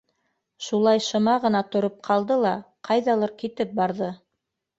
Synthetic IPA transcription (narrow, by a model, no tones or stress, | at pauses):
ʃulˠɑjʃɤ̆mɑʁɤ̆nɑt̪ŏɾop̚qʰɑlˠd̪ɤlˠɑ | qʰɑjðɑlˠɤɾkit̪ɘp̚bɑɾðɤ